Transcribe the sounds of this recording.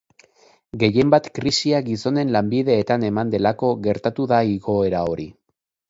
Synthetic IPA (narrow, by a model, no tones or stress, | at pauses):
ɡe̞je̞mbat̪kɾisiaɡiso̞ne̞nlambiðe̞ːt̪ane̞mand̪e̞lako̞ɣe̞ɾt̪at̪uðaiɣo̞e̞ɾao̞ɾi